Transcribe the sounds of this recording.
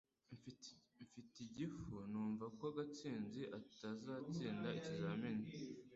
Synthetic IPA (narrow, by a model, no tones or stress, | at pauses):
ɱfi | ɱfitiɟifunuːɱvakoaɡat͡siːnziʔatazaːt͡siːndaicizaːmini